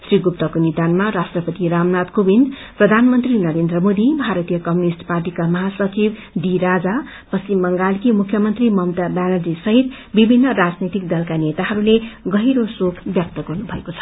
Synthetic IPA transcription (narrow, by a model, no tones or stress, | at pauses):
sriɡup̚t̪ʌkonid̪anmaɾasʈrʌpʌt̪iɾamnat̪kobind̪prʌd̪ʱanmʌnt̪rinʌɾend̪rʌmod̪ibʱaɾʌt̪ijʌkʌmjunisʈparʈikamʌɦasʌt͡sib | d̪iɾad͡za | pʌsimːʌŋɡalkimukʰjʌmʌnt̪rimʌmt̪abanʌd͡zisʌɦit̪ | bibʱinːʌɾad͡znit̪ik̚d̪ʌlkanet̪aɦʌɾuleɡʌɦiɾosokʰbjʌk̚t̪ʌɡʌrnubʱʌekot͡sʰʌ̥